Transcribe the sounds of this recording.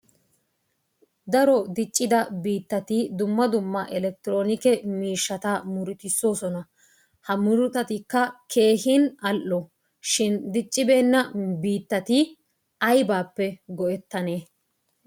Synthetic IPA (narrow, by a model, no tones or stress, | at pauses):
d̪ɐɾɔd̪ɪt͡ʃʼːɪd̪ɐbiːt̪ːɐt̪ɪd̪ʊmːɐd̪ʊmːɐʔɛlɛk̚t̪ɪɾo̞ːnɪkɛmiːʃːɐt̪aːmʊɾʊt̪ɪsːo̞ːsɔnɐ | hɐmʊɾʊt̪ɐt̪ɪkːɐkʰe̞ːhɪnɐlʔːɔ | ʃɪnd̪ɪt͡ʃʼːɪbe̞ːnːɐbiːt̪ːɐt̪ɪ | ɐjbaːpːɛɡɔʔɛt̪ːɐne̞ː